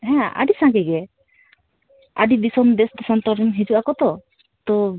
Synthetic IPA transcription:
ɦɛ̃a̰ɖisãŋkɛɡɛ | a̰ɖid̪isɔmd̪ɛst̪ɔsɔnt̪ɔɾɔnɦid͡ʒuʔakɔt̪ɔ | t̪ɔ

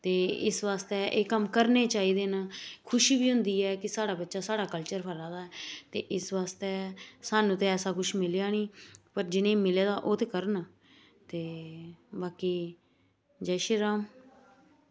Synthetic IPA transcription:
t̪eːɪ̰sʋaːst̪eːʔeːkəmkəɾneːt͡ʃaːiːd̪eːnaːkʰʊʃiːbiːɦʊ̃nd̪iːɛːkɪsaːɽaːbətːʃaːsaːɽaːkəlt͡ʃəɾpʰəɾãːd̪aːɛːt̪ḛːʔɪsʋaːst̪eːsaːnũːt̪ẽɛːsaːkʊʃmɪljaːniːpəɾd͡ʒɪnẽːmɪleːd̪aːʔoːt̪eːkəɾən | t̪eːbaːkiː | d͡ʒɛːʃiːɾaːm

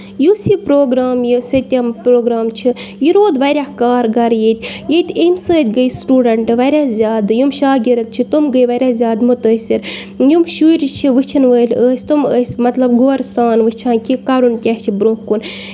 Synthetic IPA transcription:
jusipɾoːɡɾaːmjɨsət̪ʲɐmpɾoːɡɾaːmt͡ʃʰijiɾoːd̪ʋɐɾʲahkaːɾɡɐɾjet̪ʲjet̪ʲemsəːt̪ʲɡəjsʈuːɖɐɳʈʋɐɾʲaːzʲjaːd̪jumʃaːɡʲiɾɐt̪̚t͡ʃʰit̪umɡəjʋɐɾʲaːzʲjaːd̪mut̪əːsiɾ | jumʃuːɾʲt͡ʃʰiʋɨt͡ʃʰinʋəːlʲəːsʲt̪uməːsʲmɐt̪lɐbɡoːɾsaːnʋɨt͡ʃʰãːnkʲʰikɐɾunkʲɐht͡ʃʰibɾũkun

